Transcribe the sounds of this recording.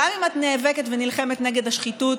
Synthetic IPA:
amimat̪neːveketvenilχe̞metneɡe̞dhaʃχitut

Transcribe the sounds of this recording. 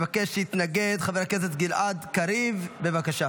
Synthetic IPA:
vakeʃjit̪naɡed̪χaveʁakesetɡilʔad̪kaɾivbevakaʃa

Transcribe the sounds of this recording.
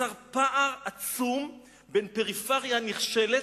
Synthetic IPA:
aʁpaʔaʁat͡sum | benpeʁifaʁjaniχʃele

